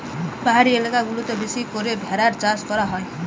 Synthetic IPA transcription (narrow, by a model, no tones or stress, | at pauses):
baɦaɾielekaɡulut̪ʌbesikoɾebʱeɾaɾt͡saskʌɾaɦʌj